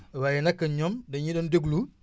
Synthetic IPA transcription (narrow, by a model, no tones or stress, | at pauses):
wajinɐkːɐɲɔmdɐɲidɔndeɡlu